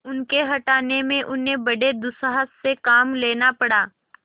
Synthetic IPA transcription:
ʊnkeɦɐʈaːnemẽʔʊnɦẽbɐɽed̪ʊsəɦəsːekaːmleːnapɐɽaː

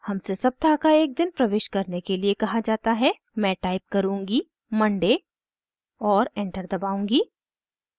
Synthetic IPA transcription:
hɐmsesɐb̚t̪aːkaeːk̚d̪ɪnpɾɐʋeːʃkɐɾnekeliekɐɦad͡ʒaːt̪aɦɛ | mɛ̃ːʈaːɪp̚kɐɾũːŋɡi | mɐ̃ɳɖe | ɔːɾɛ̃ːɳʈəɾd̪ɐbaːũːŋɡiː

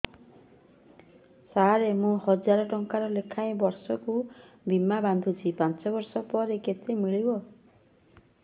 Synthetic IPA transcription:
saɾemũhɔd͡ʒaɾɔʈɔŋkaɾɔlekʰaj̃bɔɾsɔku | bimaband̪ʱut͡ʃʰipant͡ʃɔbɔɾsɔpɔɾeket̪emiɭibɔ

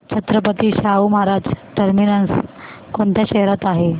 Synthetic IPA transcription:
t͡ɕʰət̪ɾəpət̪iɕaumɦaɾad͡zʈəɾminəns | koɳt̪ʰjaɕeɦɾat̪aɦe

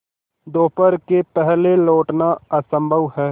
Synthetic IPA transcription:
d̪oːpəɾkepɛɦleloːʈnaɐsə̃mbʱəʋɦɛː

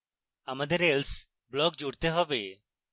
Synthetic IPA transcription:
amad̪eɾels | blɔɡ̚d͡ʒuɽt̪eɦɔbe

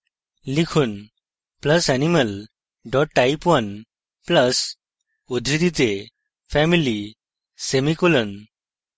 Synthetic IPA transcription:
likʰuːn | pləsæniməl | ɖɔʈʈaipʋən | pləs | od̪ʱɾid̪it͡se | fɛmili | semikulən

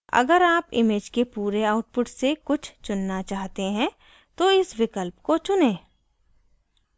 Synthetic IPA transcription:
ɐ̰ɡəɾaːpɪ̰meːd͡ʒkepuːɾeaːʊʈ̚pʊʈsekʊt͡ʃʰt͡ʃʊnːat͡ʃaːɦt̪eɦɛ̃ | t̪oɪsʋɪkəlpkot͡ʃʊnẽː

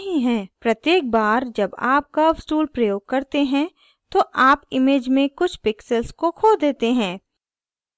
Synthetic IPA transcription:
ɦiɦɛ̃ːpɾɐt̪jeːk̚baːɾd͡ʒɐbaːp̚kasʈuːlpɾɐjoːɡ̚kɐɾt̪eɦɛ̃ | t̪oʔaːpɪmeːd͡ʒmẽkʊt͡ʃʰpɪksəlskokʰoːld̪eːt̪eɦɛ̃ː

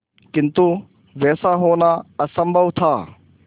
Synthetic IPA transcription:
kint̪u | vesaɦonaɐsɐmbɐwt̪ʰa

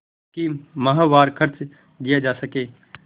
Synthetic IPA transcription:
kimɐɦaʋaːɾkʰɐɾt͡ʃ | d̪ijad͡ʒaːsɐkeː

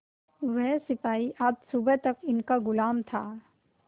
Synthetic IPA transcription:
ʋɛɦsɪpaːiʔaːd͡ʒsʊbət̪ɐkɪnkaɡʊlaːmt̪ʰaː

